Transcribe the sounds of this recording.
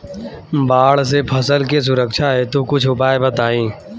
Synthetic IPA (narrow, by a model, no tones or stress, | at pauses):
baːɽsepʰəsəlkes̬ʊɾəkʃʰaɦɛt̪okʊt͡ʃʰʊpaːebət̪aːĩː